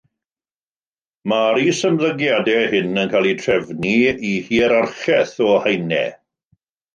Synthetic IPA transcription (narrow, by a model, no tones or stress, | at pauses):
maɾisəmðəɡjadɛhɪnənkʰaːlˠitʰrɛvniihiːəɾarχɛθɔhajnɛ̰